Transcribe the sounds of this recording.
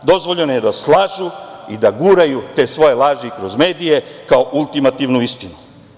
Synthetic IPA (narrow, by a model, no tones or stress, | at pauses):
d̪o̞zʋoʎenjed̪aslˠaːʒuid̪aɡuːɾajut̪e̞ːsʋo̞jelaːʒiikɾo̞zme̞ːd̪ijekaoʔulˠt̪imat̪iʋnuist̪inu